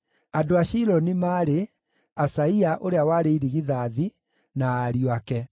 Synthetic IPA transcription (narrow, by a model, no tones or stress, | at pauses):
adoaʃiɾɔnimaːɾe | asaiaʔoɾeawaɾeiɾiɣiðaːði | naːɾiwakɛ